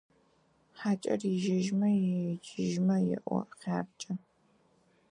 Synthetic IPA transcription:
ħaːt͡ʃʼɐ̰riʒɪʒmɐjd͡ʒɪʒmɐjɪ̰ʔʷɔ̰qʲaːpt͡ʃʼɐ

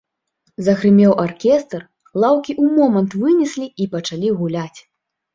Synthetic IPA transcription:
zɐɣɾɨmʲɛwʔarkʲɛst̪r | lˠawkʲiʔumɔmɐnt̪vɨnʲɛsʲlʲiipɐt͡ʂalʲiɣulʲat͡sʲ

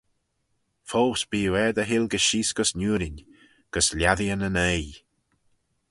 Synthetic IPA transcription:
fowsb̥iːwɛd̪əɦɪlɡəʃiːsɡ̥əsnʲuːɾɪnʲ | ɡ̥əslʲjaðiənənej

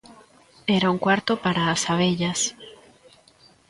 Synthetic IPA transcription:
eɾauŋkwaɾt̪opaɾaːsaβ̞eʎas

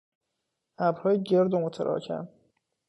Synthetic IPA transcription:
ʔæbhɒːjeɟeɾd̪omot̪ʰeɾʔɒ̰ːcʰæ̰m

